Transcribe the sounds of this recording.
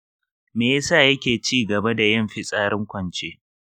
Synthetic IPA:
meː˨ja˦saː˦˨jɐ˦kʲeː˨t͡ʃiː˦˨ɡɐ˨ba˦da˨jɐ˦mɸɪ˦sʼaː˦ɾɪ˦ŋkʷɐ˨nt͡ʃeː˦

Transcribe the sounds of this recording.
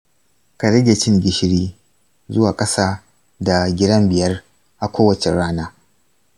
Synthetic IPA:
ka˨ɽɐ˦ɡʲe˨t͡ʃɪ˦ŋɡʲɪ˨˦ʃɽiː˦ | zʊ˦waː˨kʼɐ˦saː˦ | da˨ɡʲɪ˦dɐ˦mbɪ˨jɐ˦r | ʔa˨kʷoː˦wɐ˨t͡ʃe˨ɽaː˦naː˦

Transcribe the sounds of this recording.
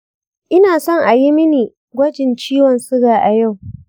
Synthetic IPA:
ʔɪ˦naː˨sɔ˦˨ŋʔa˨ji˦mɪ˦niː˨ | ɡʷɐ˦d͡ʒɪ˨nt͡ʃiː˦wɔ˨nsʊ˦ɡaː˨ʔa˨ja˦˨w

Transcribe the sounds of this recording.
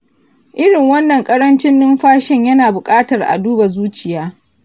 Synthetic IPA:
ʔɪ˦ɽɪ˨ŋwɐ˦nːɐ˨ŋkʼɐ˦ɽɐ˦nt͡ʃɪ˦nːʊ˦mɸaː˦ʃɪ˦ɲjɐ˦naː˨bʊ˨kʼaː˦tɐ˨rʔa̰˨duː˦ba˨zuː˦t͡ʃɪ˨jaː˦

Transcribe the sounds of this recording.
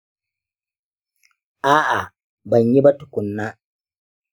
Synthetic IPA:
ʔaː˦ʔa˨ | bɐ˨ɲji˦bɐ˦tʊ˨kʷʊ˨nːaː˦

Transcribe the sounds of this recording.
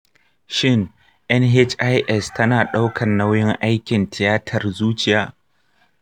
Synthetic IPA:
ʃɪ˦˨ŋ | ʔɛ˦nɦe˦t͡ʃʔa˦jʔɛ˦stʰɐ˦naː˨ɗa˦wkʰɐ˨nːa˦wjɪ˦ŋʔa˦jkʲɪ˨ntɪ˨jaː˦tʰɐ˨rzuː˦t͡ʃɪ˨jaː˨

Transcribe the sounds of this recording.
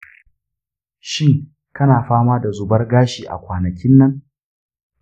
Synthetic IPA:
ʃiː˦˨ | kɐ˦naː˨ɸaː˦maː˦da˨zʊ˨bɐ˦rɡaː˦ʃiː˨ʔa̰˨kʷaː˨nɐ˨kʲɪ˦nːɐ˦ŋ

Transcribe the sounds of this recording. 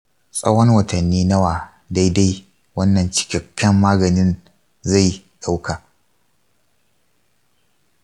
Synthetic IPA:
sʼɐ̰˦wɔ˦nwɐ˨tɐ˨nːiː˦nɐ˦waː˨ | da˦jda˦j | wɐ˦nːɐ˨nt͡ʃɪ̥˦kʲɐ˨kʰʲːɐ˦mːaː˦ɡɐ˨nɪ˦n | za˦˨j | ɗa˦wkaː˨

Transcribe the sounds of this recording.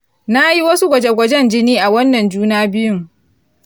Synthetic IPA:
na˦ji˦wɐ˦su˦ɡʷɐ˨d͡ʒɛ˦ɡʷɐ˨d͡ʒɛ˦nd͡ʒɪ˦niː˦ʔa˨wɐ˦nːɐ˨nd͡ʒuː˦naː˦bɪ˦jʊ˦ŋ

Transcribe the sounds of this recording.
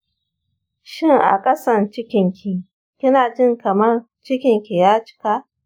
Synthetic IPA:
ʃɪ˦ŋʔa̰˨kʼɐ˦sɐ˦˨nt͡ʃɪ˦kʲɪ˨ŋkʲʰi˨ | kʲɪ˦naː˨d͡ʒɪ˦˨ŋkɐ˨mɐ˦r | t͡ʃɪ˦kʲɪ˨ŋkʲi˨jaː˦t͡ʃɪ̥˦ka˦ʔ

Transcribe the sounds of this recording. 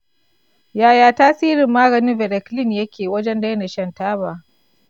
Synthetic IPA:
jaː˨jaː˨taː˦siː˦ɾɪ˨mːaː˦ɡɐ˨nɪ˦mvɛ˨ɾɛ˨klɪ˦njɐ˦kʲeː˨wɐ˦d͡ʒɛ˦nda˦jna˨ʃɐ˦˨ntaː˦βaː˨

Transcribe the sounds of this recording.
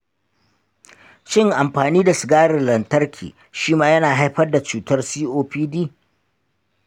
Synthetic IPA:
ʃɪ˦ŋʔa˨mɸaː˨niː˦da˨sɪ˨ɡaː˦ɽɪ˨nlɐ˨ntɐ˦rkʲʰḭː˨ | ʃiː˦maː˦jɐ˦naː˨ɦa˦jɸɐ˦rda˨t͡ʃuː˨tɐ˦rsiː˦ʔoː˦ɸiː˦diː˦

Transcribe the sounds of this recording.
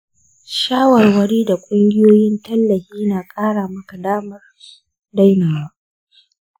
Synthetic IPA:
ʃaː˦wɐ˨rwɐ˦ɽiː˦da˨kʷʼʊ˦ŋɡʲɪ˦joː˦jɪ˦ntɐ˦lːɐ˨hiː˦naː˨kʼaː˦ɽaː˨mɐ˦ka˨daː˦mɐ˦r | da˦jna˨maː˦ʔ

